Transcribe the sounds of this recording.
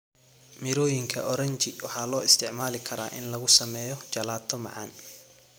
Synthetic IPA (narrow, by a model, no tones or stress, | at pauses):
mɪɾɔːjɪŋkʰɐ̰ʔɔɾɐnt͡ʃɪwɑħɑːlɔːɪst̪ʰɪʕmaːlɪkʰɐɾa̰ːʔɪnlɐɣʊsɐmɛːjɔt͡ʃɐlaːt̪ʰːɔmɑ̰ʕɑ̰ːn